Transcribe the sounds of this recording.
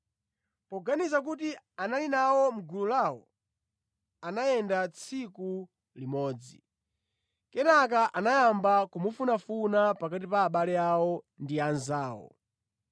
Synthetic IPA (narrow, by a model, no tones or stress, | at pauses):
pɔɡanizak̬utianalinawɔm̩ɡululawɔ̰ | anajɛndat͡sʰiku | limɔːd͡zḭ | kɛnak̬aʔanajambakumufunafunapakatipaːɓalɛawɔ | ndianzaːwɔ̰